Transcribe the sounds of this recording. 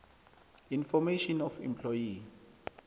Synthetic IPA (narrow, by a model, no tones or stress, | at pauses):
infɔmeʃɔnɔfḭ̃mpʰlɔji